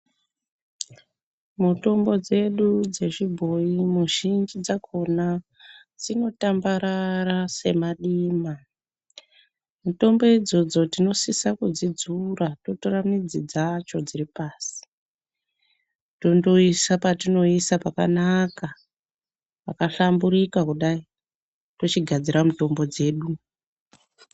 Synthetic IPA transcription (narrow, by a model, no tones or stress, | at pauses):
muto̞mbo̞d͡ze̞ɗud͡ze̞ʐibʱo̞imuʒind͡ʒid͡zakʰo̞na | d͡zino̞tambaɾarase̞̰maɗiːma | muto̞mbo̞id͡zo̞d͡zo̞tino̞sisakud͡zid͡zurato̞turamid͡zid͡zat͡ʃo̞d͡ziripaːsi̥ | to̞ndo̞isapatino̞isapakanaka | pakaɬambuɾikakuɗai | to̞t͡ʃiɡʱad͡ziɾamuto̞mbo̞d͡ze̞ːɗu